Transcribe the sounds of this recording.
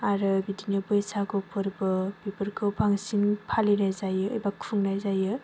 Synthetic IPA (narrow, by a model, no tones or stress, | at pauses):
aɾɯbidinɯbɯjsakʰɯwpʰɯɾbɯbipɯɾkʰɯwpʰaŋsinpʰalinajzajɯ̰ːjbakʰuŋnajzajɯ